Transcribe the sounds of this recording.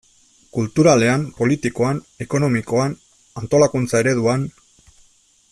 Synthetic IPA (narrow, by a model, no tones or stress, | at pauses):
kult̪uɾale̞ampo̞lit̪iko̞an | e̞ko̞no̞miko̞an | ant̪o̞lakunt͡sae̞ɾe̞ðuan